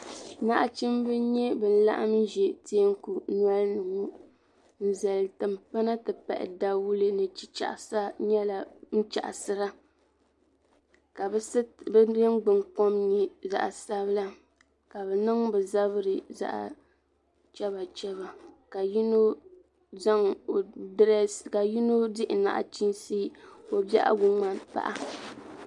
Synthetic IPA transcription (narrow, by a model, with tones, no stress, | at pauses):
na˦ʔa˦t͡ʃi˦mbɨ˦ɲɛ˦bɛ˨n̩˦la̰˦ʔa˦m˦ʒɛ˨te˦ŋ˦ku˨n˦ɔ˦lnɨ˨ŋu˦ | n̩˨zɛ˨ltɨ˨mpa˦na˦tɨ˨pa̰˨ʔɪ̰˨da˨wu˦lɨ˦nɨ˨t͡ʃi˦t͡ʃa̰˨ʔsa˦ɲɛ˦la˨n̩˦t͡ʃa̰˨ʔa˨sɨ˦ɾa˦ | ka˨˦bjɛ˦ŋ˦ɡ͡bɨ˨ŋk͡po˦mɲi˨za̰˨ʔa˨sa˦βla˦ | ka˨bɛ˨nɨ˦ŋbɛ˨za˦βɨ˦ɾɨ˨za̰˨ʔa̰˨ | t͡ʃɛ˦βa˨t͡ʃɛ˦βa˨ka˨ji˦no˦ | za˦ŋ˨dɾka˨ji˦no˦dɪ˦ʔɪ˨na̰˨ʔa̰˨t͡ʃi˦nsi˦o˨bɛ̰˦ʔa̰˦ɡʊ˨ŋa˨pa̰˦ʔa˦